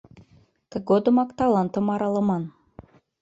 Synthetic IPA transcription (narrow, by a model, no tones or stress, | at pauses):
t̪ə̆ɡod̪ə̆mɑkt̪ɑlˠɑnt̪ə̆mɑɾɑlˠɤ̆mɑn